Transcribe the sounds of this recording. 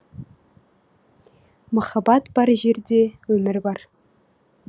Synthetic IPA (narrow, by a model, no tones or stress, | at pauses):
məχɑbɑt̪bɑɾʒerd̪ewɵmɘɾbɑr